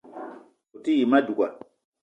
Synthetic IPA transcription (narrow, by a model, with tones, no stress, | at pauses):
u˨ti˦ji˨ma˦du˨ka˨